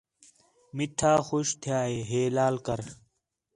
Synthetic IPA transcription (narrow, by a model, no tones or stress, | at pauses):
miʈʰaːxoɕt̪ʰjaːeːɦeːlaːlkɐɾ